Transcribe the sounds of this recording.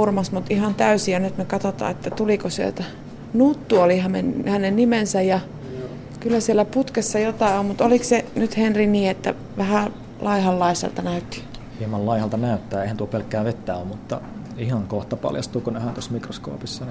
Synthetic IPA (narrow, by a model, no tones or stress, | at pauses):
urmɑsmut̪ihɑnt̪æysijɑnyt̪mekɑt̪ot̪ɑ̰ːet̪ːæt̪ulikosiḛlt̪æ | nut̪ːuolihɑmḛnhænennimensæjjɑ | kylːæsielːˑæput̪kesːɑjot̪ɑˑiommut̪oliksenyt̪henriniːet̪ːæ̰ | ʋæhæ | lɑihɑlːɑisḛlt̪ɑnæyt̪ːi̥hiemɑllɑihɑlt̪ɑnæyt̪ːæːeˑihænt̪uopelkːæːʋet̪ːæːommut̪ːɑ̰ | ihɑŋkoht̪ɑpɑ̰ljɑ̰st̪uːkunehænt̪osmikrosko̰ːpisːɑn